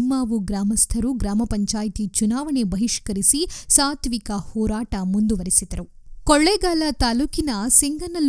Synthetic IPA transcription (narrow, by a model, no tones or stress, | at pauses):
mːaːʋuɡɾaːmɐst̪ʰɐɾuɡɾaːmɐpɐɲt͡ʃaːjɐt̪it͡ʃunaːʋɐɳebɐɦiʂkɐɾisisaːt̪ʰʋikɐhɔːɾaːʈɐmund̪uʋɐɾisid̪ɐɾukoɭːɛːɡaːlɐt̪aːluːkinɐsiŋɡɐnɐl